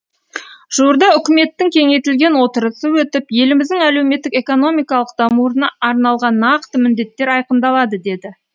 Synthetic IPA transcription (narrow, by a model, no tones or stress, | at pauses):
ʒ̥uəɾd̪ɑʏkʲɪme̞t̪ːɪŋkʲʰe̞ŋe̞jt̪ɪlɡʲe̞nwo̞t̪əɾəsəwɵt̪ɪpje̞lɪmɪzd̪ɪŋæle̞wme̞t̪ːɪke̞ko̞no̞mijkɑlˠəq̚d̪̥ɑmuɾənɑːɾnɑlˠʁɑnːɑqt̪əmɪnd̪e̞t̪ːe̞ɾɑjqəmd̪ɑlˠɑd̪əd̪e̞d̪ɪ